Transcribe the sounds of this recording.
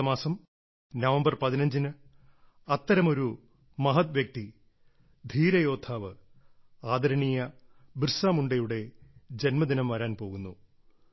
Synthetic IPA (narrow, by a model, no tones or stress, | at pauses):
ɐmaːsɐm | nɐʋɐmbɐrpɐðinɐɲd͡ʑinɨ | ɐt̪ːɐɾɐmo̞ɾu | mɐɦɐt̪ʋjɐk̚t̪i | d̪ʱiːɾɐjo̞ːd̪ʰaːʋɨ | aːd̪ʱɐɾɐɳijɐbrsaːmuɳɖɐjuɽe̞d͡ʑe̞nmɐd̪inɐmʋɐɾaːnpo̞ːɣunːu